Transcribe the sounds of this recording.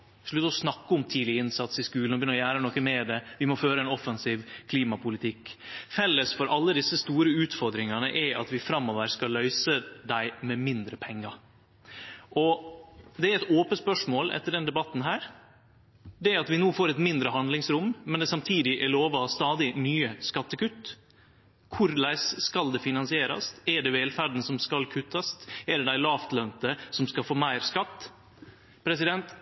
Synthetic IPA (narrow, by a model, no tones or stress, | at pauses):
ʂɭʉt̪ːəɔsnɑkːəʊmt̪ʰiːd̪lɪɪnsɑt̪sɪskʉːlɔʋbjnːɾɔjæːɾənɔkːəmɛd̪ɛʋɪmɔføːɾəɛnɔfɛnsiːʋkʰliːmɑpʰʊlɪt̪ʰɪkːfɛlːəsfɔɾʔɑlːəd̪ɪsːəst̪uːɾəʉːt̪fɔɾd̪ɾɪŋɑnəʔɛɾɑt̪ʋɪfɾɑmːɔʋəɾskɑlœʏsəd̪æɪmɛmɪnd̪ɾəpʰɛŋːɑɾ | ʔɔ | d̪ɛæɾɛt̪oːpənspœʂmoːlʔɛ̰t̪ːəɖɛnd̪ɛbɑt̪ːn̩ɦæːɾ | d̪ɛæɾɑt̪ʋɪnuːfoːɾɛt̪mɪnd̪ɾəɦɑnd̪lɪŋsɾʊmmɛnd̪ɛsɑmt̪ʰiːd̪ɪʔæɭoːʋɑst̪ɑːd̪ɪnyːəskɑt̪ːəkʉt̪ː | kʰʊɾlæɪsskɑld̪ɛfɪnɑnsɪeːɾɑ̰st̪ɛɖɛʋeːlfæɾɖ̪n̩sɔmskɑlkʰʉt̪ʰːɑst̪ɛɖɛd̪æɪlɑːft̪lœnt̪əsɔmskɑlfoːmæɪɾskɑt̪ː | pʰɾɛsɪd̪ɛnt̪